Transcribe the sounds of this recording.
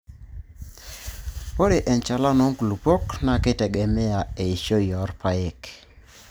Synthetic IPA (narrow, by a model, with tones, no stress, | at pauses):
po˦ɾe˨ʔɛ˨nt͡ʃa˨la˦nɔ˨˦ŋku˨lu˨pɔ˦kna˨ke˦tɛ˨ɡɛ˨mɛ˦a˨e˨i˨ʃo˦jɔ˨˦ɾpa˦e˨k